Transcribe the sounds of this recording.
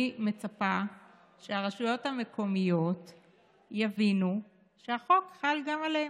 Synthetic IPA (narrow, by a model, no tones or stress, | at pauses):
me̞t͡sapa | ʃeaʁeʃujo̞thame̞kʰo̞mijo̞t | javinu | ʃehaχo̞kχalɡamalee